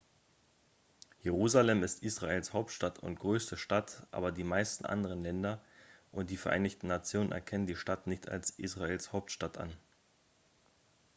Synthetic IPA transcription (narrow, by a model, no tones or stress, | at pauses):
jeʁ̞uːzalɛmɪstʔiːsʁ̥aʔeːlshaʊp̚tʃtatʰʊ̰ntɡ̥ʁøːstəʃtatʔa̰ːbɐdiːmaɪstn̩ʔa̰ndəʁənlɛndɐʔʊntd̥iːfɛɐʔa̰ɪnɪçtn̩nat͡sjoːnə̰nʔɛ̰ɐkʰɛnəndiːʃtatnɪçta̰lsʔḭːsʁ̥aeːlshaʊp̚tʃtatʰʔa̰n